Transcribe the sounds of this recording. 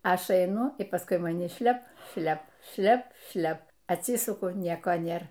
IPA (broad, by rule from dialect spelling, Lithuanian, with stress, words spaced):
ˈɐʃ ɐɪˈnʊ iː ˈpɑːskʊɪ mɐˈnʲɪ ˈʃʲlʲɛp ˈʃʲlʲɛp ˈʃʲlʲɛp ˈʃʲlʲɛp ɐtʲˈsʲɪsʊkʊ ˈnʲiɛkoː ˈnʲeːr